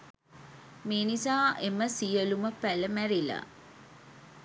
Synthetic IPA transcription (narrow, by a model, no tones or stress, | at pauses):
meːnisaːʔeməsijəluməpæləmæɾila̰